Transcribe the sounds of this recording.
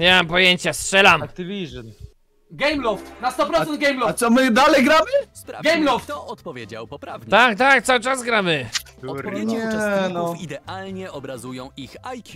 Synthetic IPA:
ɲamampɔjeɲt͡ɕastʂɛlamkt̪ivʲiʐn | ɡɛjmlɔft̪nast̪ɔpɾɔt̪ɛnd̪̚ɡɛjmlɔt̪sɔmɘd̪alɛjɡɾamɘsaɡɛjmlɔft̪ɔt̪pɔvʲjed͡ʑa̰wpɔpɾavɲt̪ak̚t̪akt̪sawɘt͡ʂazɡɾamɘ | ɔɛnɔid̪ɛʔalɲɛɔbɾazujɔ̃w̃ʔixajkʰʲi

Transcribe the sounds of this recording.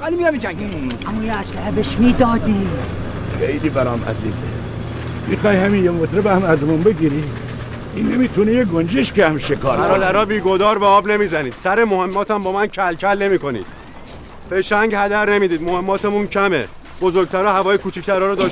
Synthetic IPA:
alimijamid͡ʒæɡi | ʔæmːɔːjeæslæɦebeʃmiːd̪ɒːd̪iː | xejliːbæɾɒːmʔæ̰zḭːzḛ | mixɒːjhæminjemot̪ɾebææmæzmunbeɡiːɾi | inːemit̪ʰunejeɡond͡ʒeʃkeæmʃekʰɒːɾæɾɒd̪æɾɒːbiːɡo̞d̪ɒːɾbeɒːbne̞miːzæniːd̪̥sæɾemo̞he̞mːɒːt̪ʰæmbɒːmæncʰælcʰælne̞miːko̞nḭːd̪̥̚ | feʃæɲɟhæd̪æɾne̞miːd̪iːd̪mohe̞mːɒːt̪ʰemuncʰæme̞̰ | bozoɾɡ̚t̪ʰæɾɒːhævɒːjekuːt͡ʃʰict̪ʰæɾɒːɾɔd̪ɒːʃ

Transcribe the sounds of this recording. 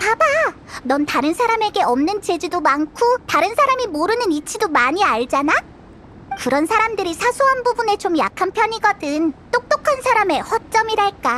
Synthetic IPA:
paba | nʌntaɾɯnsʰaɾame̞ɡe̞ʌmnɯnt͡ɕe̞d͡ʑidomaŋkʰotaɾɯnsʰaɾamimoɾɯnɯnit͡ɕʰidomaɲiaɭd͡ʑana | kɯɾʌnsʰaɾamdɯɾisʰasʰoɦanbubune̞t͡ɕomja̰kʰanpʰjʌɲiɡʌdɯnt͈ok̚t͈okʰansʰaɾame̞hwʌt͡ɕ͈ʌmiɾaɭk͈a

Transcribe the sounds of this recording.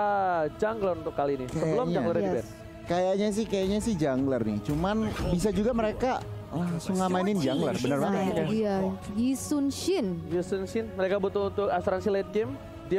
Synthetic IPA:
ad͡ʒaŋɡləɾunt̪ʊkːalinisəbəlʊmɲd͡ʒaɡlərabɛt | kajaʔɲas̬ɪhkajaʔɲasɪhd͡ʒaŋɡlərnɪ̰t͡ʃumanbis̬ad͡ʒuɡaməɾeka | laŋsʊŋamainɪnd͡ʒaŋɡlə̰rbənərbaəajajisunʃɪnjusunʃɪnməɾekabut̪ʊunt̪ʊkasɾansilat̪̚ɡɪm | di

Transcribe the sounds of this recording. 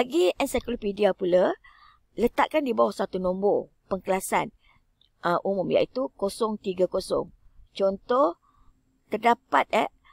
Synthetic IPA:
laɡiɛnsajklopidiapula | lət̪aʔkandibawahsat̪unɔ̃mbo | pəŋkəlasa̰n | əʔumumja̰ʔit̪ukosɔŋt̪iɡakosɔ̰ŋt͡ʃɔnt̪ɔh | t̪ərdapat̪̚ɛ

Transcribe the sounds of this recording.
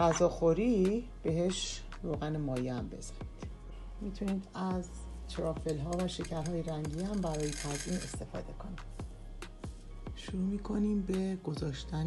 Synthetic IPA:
ɢæzɒːxoɾib̥e̞ɦe̞ʃ | ɾoːɣænemɒːjiæmbe̞̰z̥æ̥niːd̪̥ | miːt̪ʰuniːd̪æz | t̪ʰɾɒːfelɦɒːvæʃe̞cʰæɾɦɒːjeɾæŋɟiːæmbæɾɒːjet̪ʰæzine̞st̪e̞fɒ̰ːd̪e̞kʰo̞niːd̪ | ʃuɾuːmiːkʰo̞niːmbe̞ɡ̥o̞zɒːʃt̪æn

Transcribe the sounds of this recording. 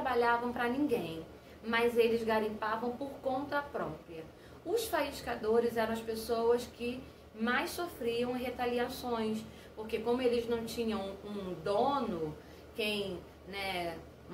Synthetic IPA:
abaʎavɐ̃w̃pɾɐnĩɡẽj̃ | mɐzelɪzɡaɾĩpavɐ̃w̃poɾkõnt̪ɐpɾɔpɾiɐ | ʊsfaiʃkad̪oɾɪzɛɾɐ̃w̃ɐspesowɐskɪ | majssofɾiɐ̃w̃ɦet̪aliasõj̃s | poɾkekõmʊelɪznɐ̃w̃t͡ʃĩɲɐ̃w̃ũd̪õnʊ | kẽj̃ | nɛ

